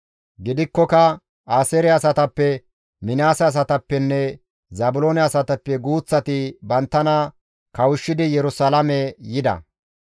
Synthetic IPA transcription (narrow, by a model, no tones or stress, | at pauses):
ɡɪd̪ɪkːɔkɐ | aːsɛɾɛɐsɐt̪ɐpːɛ | mɪnaːsɛːs̬ɐt̪ɐpːɛnːɛ | zɐbʊloːnɛɐsɐt̪ɐpːɛɡuːt͡sːɐt̪ɪbɐnt̪ːɐnɐ | kɐwʊʃːɪd̪ɪjɛɾʊsɐlɐmɛjɪd̪ɐ̰